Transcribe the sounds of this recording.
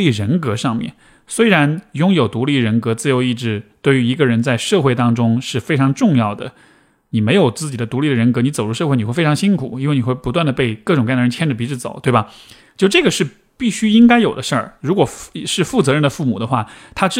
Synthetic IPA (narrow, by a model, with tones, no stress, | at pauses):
i˥˩ɻə˧˥nkɤ˧˥ʂɑ˥˧ŋmjɛ̰˥˩n | swe˥ɪɻa˧˥njʊ˥ŋjo˨˩ʊt̪u˧˥li˥˩ɻə˧˥nkɤ˧˥t͡sɹ̩˥˩jo˧˥ʊi˥˧ʈ͡ʂɻ̩˥˩t̪we˥˩ɪy˧˥i˧˥ɡə˧ɻə˧˥nt͡sa˥˧ɪʂɤ˥˧xwe˥˩ɪt̪ɑ˥ŋʈ͡ʂʊ˥ŋʂɻ̩˥˩fe˥ɪʈ͡ʂʰɑ˧˥ŋʈ͡ʂʊ˥˧ŋjɑ˥˩ʊd̪ə̰˩ | ni˨˩me˧˥ɪjo˨˩ʊt͡sɹ̩˥˩t͡ɕi˨˩d̪ə˦t̪u˧˥li˥˩ɾə˩ɻə˧˥nkɤ˧˥ni˧˥t͡so˨˩ʊʈ͡ʂu˥ʂxe˥˩ɪni˨˩xfʰɑ˧˥ŋɕi˥nkʰṵ˨˩˦i˥nwe˥˩ni˨˩xwɪpu˧˥wa˥˩nd̪ə˩pe˥˧ɪkɤ˥˩ʈ͡ʂʊ˨˩ŋk̪ə˩˧˥nt͡ɕʰɛ˥nʈ͡ʂə˨˩pi˧˥ʈ͡ʂ̩˥˩t͡so̰˨˩˦ʊt̪we˥˩ɪbɐ˩t͡ɕo˥˩˥ʈ͡ʂɤ˥˩ɡə˩ʂɻ̩˥˧ | pi˥˩ɕy˥i˥ŋka˥ɪjo˨˩ʊd̪ə˦ʂə˞˥˩ɻu˧˥kwɔ˨˩fʂɻ̩˥˧fu˥˩t͡sɤ˧˥ɻə˥nd̪ə˩fu˥˩mu˨˩d̪ə˦xwa˥˩t̪ʰa˥ʈ͡ʂ